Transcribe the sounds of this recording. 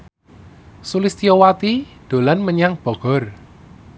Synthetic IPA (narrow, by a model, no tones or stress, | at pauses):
sulist̪ijɔwat̪id̪̥o̤lanməɲaŋb̥ɔ̤ɡ̥ɔ̤r